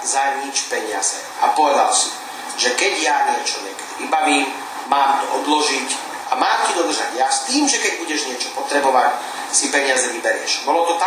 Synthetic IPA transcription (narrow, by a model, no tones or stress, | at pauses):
zaɲit͡ʃpɛɲɪa̰zɛ̰ | ʔapɔʋɛd̪a̰lsi | ʒɛkɛɟjaɲɪɛt͡ʃɔɲɪɛkɛ̥d̪iʋibaʋiːm | maːmt̪ɔʔɔd̪lɔʒic | ʔamaːmcid̪ɔd̪r̩ʒa̰ɟjast̪iːmʒɛkɛɟ̚buɟɛʒɲɪɛt͡ʃɔ̥pɔt̪ɾɛbɔʋac | sipɛɲɪazɛʋibɛɾɪɛ̰ʃbɔlɔt̪ɔt̪a